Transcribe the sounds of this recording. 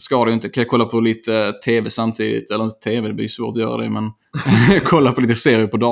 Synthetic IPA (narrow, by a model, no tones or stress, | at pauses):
skɑːd̪ɛjʏnt̪əkʰanjakʰɔlːapʰɔliːt̪ət̪ʰeːvɛsamt̪ʰiːd̪ɪ̰t̪ɛlːəɾɪnt̪ət̪ʰeːvɛd̪ɛblɪɾjsvoːɾʈ̪ɔjœ̰ːɾa̰d̪ɛ̰mɛn | jɑkʰɔlːaɾpʰɔliːt̪əseːɾɪəpʰɔd̪ɑ